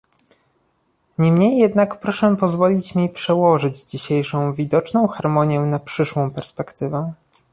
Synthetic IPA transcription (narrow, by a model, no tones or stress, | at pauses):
ɲɛmɲejːɛd̪nakpɾɔʂɛpɔzvɔlʲit͡ɕmʲipʂɛwɔʐɘd͡ʑd͡ʑiɕejʂɔ̃w̃vʲid̪ɔt͡ʂnɔ̃w̃xaɾmɔɲjɛnapʂɘʂwɔ̃w̃pɛɾspɛkt̪ɘvɛ